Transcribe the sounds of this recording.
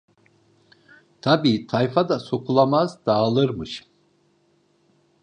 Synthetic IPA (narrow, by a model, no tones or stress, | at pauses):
t̪ʰabiːt̪ʰajfad̪aso̞kʰulˠamazd̪aːlˠɯɾmɯʃ